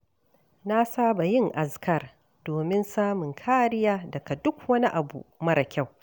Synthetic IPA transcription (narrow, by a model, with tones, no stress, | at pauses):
na˦saː˦ba˨jɪ˦ŋʔa˨skɐ˦˨r | d̥oː˨mɪ˦nsaː˦mʊ˨ŋkʰaː˦ɾɪ˦jaː˦dɐ˨ka˨dʊ˦kwɐ˦ni˦ʔa˨bṵ˨mɐ˦ɾɐ˨kʲa˦˨w